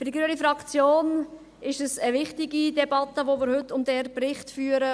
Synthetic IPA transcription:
fʏɾdiɡɾøːnifɾɑkt͡sjoːn | ɪʃəsəvɪχtɪɡidɛbɑt̪ːəʋomɪːɾhɵtːʊmd̥ɛɾprɪχtfyːəɾə

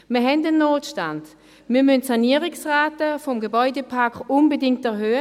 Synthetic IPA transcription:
məɐɦɛndənːoːtʃtand | miɐmʏntsaniːəʁɪksʁaːtəfɔmɡəbɔʏdəpʰaɐkʊnbədɪŋktɛɐɦøːə

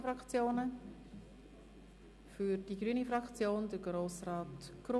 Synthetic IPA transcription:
fɾɑkt͡sjoːnə | fyɾd̥iɡɾyːənifɾɑkt͡sjoːndəɾɡɾoːsrɑːtɡ̥ro

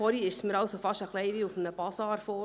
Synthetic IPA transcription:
ɔɾiɪʃsməɾɑlsofɑʃəχlɛɪʋiːufmnəbɑsɑːɾfɔː

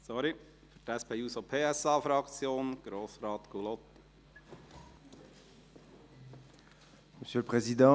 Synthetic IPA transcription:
sɔɾi | fytæspʰeːusopʰeːɛsɑːfɾɑkt͡sjoːnɡ̥ɾoːsɾɑːt̪ɡ̥ulɔt̪ːi̥ | məsjøləpχezid̪ɑ̃

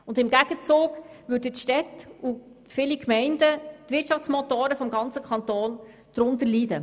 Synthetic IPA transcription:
ʊndɪmɡæɡ̥ət͡suːɡ | ʋʏɾdətʃtɛtu | fɪlikmɛɪndət̪ʋɪtt͡ʃʃɑft͡smɔtoːɾəfɔmɡɑnt͡səkχɑnt̪ɔːn | d̪̥ɾʊntəɾliːdə

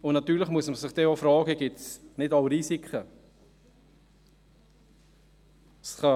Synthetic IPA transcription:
ʊnɑt̪yːləχmuəsməsɪχd̥ɛofɾɑːɡəɡ̥ɪtsnɪtɑwɾiːsikχə | sχɑ

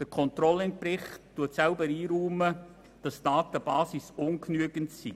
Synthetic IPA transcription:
d̥əkʰɔnt̪ɾɔlɪnpɾɪχtːuətsɛlbəɾiːɾuːmə | d̥ɑsdɑːt̪əb̥ɑːsisʊnknyəɡəntsi

